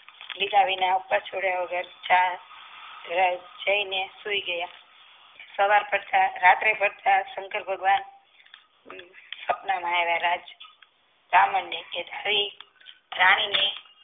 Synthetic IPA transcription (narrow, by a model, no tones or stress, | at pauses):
lid̪aʋinaupːət͡ʃʰoɽjaʋəɡəɾt͡ʃa | ɾəd͡ʒd͡ʒəinesuiɡəja | səʋaɾpəɽt̪aɾat̪ɾepəɽt̪ʰasəŋkəɾbʱəɡʋan | səpnamãeʋaɾad͡ʒ | kɾaməɳɖeked̪ʱaɾi | ɾañine